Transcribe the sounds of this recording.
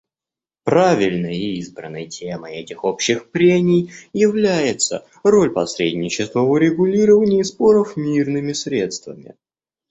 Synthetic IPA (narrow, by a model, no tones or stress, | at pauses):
pɾavʲɪlʲnəjəiizbɾənːə̰jtʲʰeməjɛtʲɪxopɕːɪxpɾʲemʲɪjːɪvlʲæjɪt̪sə̰ | ro̞lʲpɐsɾʲḛdʲnʲɪt͡ɕɪst̪vəʊɾʲɪɡʊlʲiɾəvənʲɪispo̞ɾəfmʲirnɨmʲɪsɾʲe̞t̪st̪vəmʲɪ̰